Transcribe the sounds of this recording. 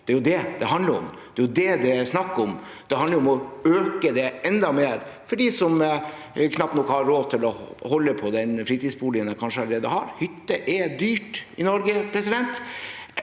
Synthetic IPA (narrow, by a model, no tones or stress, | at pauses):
d̪̥ɛæɾjʊd̪ɛd̪ɛɦɑnd̪ləɾɔ̰md̪̥ɛæjʊd̪ɛd̪ɛsnɑkːɔm | d̪̥ɛɦɑnd̪əɾɔmɔøːkəd̪ɛɛnd̪ɑmeːɾfɔɖiːsɔm | kʰnɑpt̪nɔkhɑɾɾoːt̪ʰɪlɔhɔlːəpʰɔd̪ɛnfɾiːt̪id̪sbuːlɪənəkʰɑnʂəɑləɾeːd̪əhɑɾhʏt̪ːəʔɛd̪yːʈɪnɔɾɡəpʰɾɛsɪd̪ɛnt̪